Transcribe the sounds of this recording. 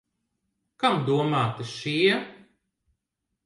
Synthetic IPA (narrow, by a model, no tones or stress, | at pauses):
kamd̪uɔmaːt̪ɨʃiɛ